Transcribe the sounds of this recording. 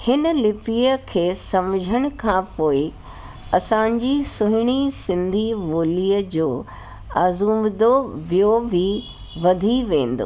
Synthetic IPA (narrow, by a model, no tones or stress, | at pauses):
hɪnə̆lɪpiːəkʰeːsɐmd͡ʑʱəɽ̃ʊ̆kʰãːpoːɪ | ɐsãɲd͡ʑisʊɦɪɽ̃isɪ̃nd̪ʱiʋoːliːəd͡ʑoː | aːzuːmd̪oʋijoʋi | ʋɐd̪ʱiʋẽːn̆d̪o̰ː